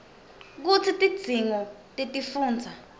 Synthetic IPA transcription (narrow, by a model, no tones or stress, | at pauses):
k̬ut͡sʰitʼid̥d͡z̥ʱiŋɔtʼitʼifuːnd͡zʱa